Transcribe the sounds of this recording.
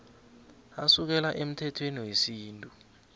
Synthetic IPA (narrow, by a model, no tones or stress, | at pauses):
asuk̬ɛlaʔem̩tʰɛtʰweniwesiːntʼu